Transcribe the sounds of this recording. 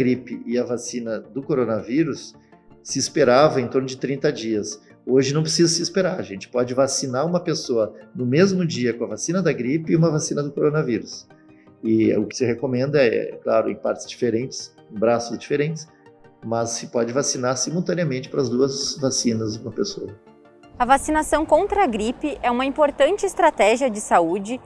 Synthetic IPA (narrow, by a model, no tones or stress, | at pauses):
ɡɾipɪɪɐvasĩnɐd̪ʊkoɾonɐviɾʊsː | ɪːspeɾavɐẽt̪oɾnʊd͡ʒɪt̪ɾĩnt̪ɐd͡ʒiɐs | oʒɪnɐ̃w̃pɾɪs̬izɐsɪispeɾaɾʒẽnt͡ʃɪ̥pɔd͡ʒɪvasinaɾũmɐpesoɐnʊmezmʊd͡ʒiɐkõɐvasĩnɐd̪ɐɡɾipɪɪũmɐvasĩnɐd̪ʊkoɾonɐviɾʊs | ɪʊkɪ̥sɪhekomẽnd̪ɐɛ̰ɛ̰klaɾʊḛ̃j̃paɾt͡ʃɪz̥d͡ʒifeɾẽnt͡ʃɪ̥s | ẽbɾasʊzd͡ʒifeɾẽnt͡ʃɪ̥s | mɐsːɪpɔd͡ʒɪvasinaɾsimulˠt̪ɐ̃niɐmẽnt͡ʃɪ̥pɾɐzd̪uɐzvasĩnɐzd͡ʒ̪ũmɐpeso̰ɐ | ɐvasinasɐ̃w̃kõnt̪ɾɐɐɡɾipɪʔɛũmɐĩmpoɾt̪ɐ̃nt͡ʃɪːst̪ɾat̪ɛʒiɐd͡ʒɪsaud͡ʒɪ